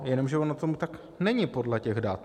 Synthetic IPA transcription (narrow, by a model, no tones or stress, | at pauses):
jɛno̞mʒɛonat̪omut̪ak | nɛɲɪpo̞dlɛcɛɣdat̪